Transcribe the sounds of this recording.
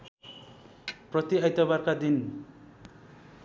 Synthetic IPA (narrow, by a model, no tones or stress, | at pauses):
prʌt̪iʌjt̪ʌbarkad̪in